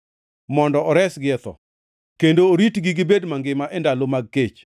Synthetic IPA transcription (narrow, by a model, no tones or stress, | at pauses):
mɔndɔɔɾɛsɡɪɛt̪ɔ̰ | kendoːɾitɡɪɡɪbedmaŋɡɪmaʔɛndalomaɡ̚ket͡ʃ